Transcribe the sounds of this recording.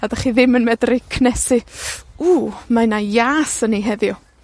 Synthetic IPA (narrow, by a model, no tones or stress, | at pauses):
adaχiðɪmənmɛdrɪkʰnɛsɪuːmajnajaːsəniɦɛðjɔ